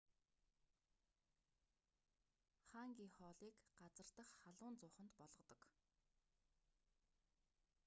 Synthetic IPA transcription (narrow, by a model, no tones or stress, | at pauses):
χaŋɡʲiːŋχɔːɮiːkɢat͡sə̆rt̪ə̆χχaɮʊːnt͡sʊːχə̆nt̪pɔɮʁɞ̆qt̪ɞ̆k